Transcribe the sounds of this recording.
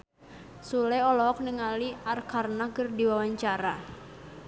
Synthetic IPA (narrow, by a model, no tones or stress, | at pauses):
sulɛɔlɔk̚nɪŋaliarkʰarnakərdiwawaɲt͡ʃaɾa